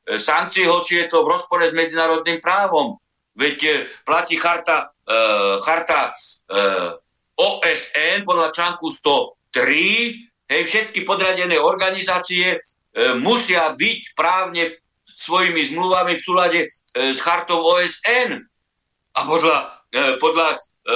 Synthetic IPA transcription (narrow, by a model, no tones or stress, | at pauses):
saŋk̚t͡siɛɦɔʃɪjɛt̪ɔʋɾɔspɔɾɛzmɛd͡zinaːɾɔd̪nimpɾaːʋɔm | ʋɛcplaciːxaɾt̪a | xaɾt̪a | ɔːʔɛsɛnpɔd̪ʎat͡ʃaŋkust̪ɔt̪ɾi | ɦɛjfʃɛt̪kipɔd̪ɾaɟɛnɛːɔɾɡanizaːt͡siɛ | musɪabicpɾaːʊɲɛ | sʋɔjimizmluʋamifsuːlaɟɛ | sxaɾt̪ɔʊɔːɛsɛn | apɔd̪lapɔd̪la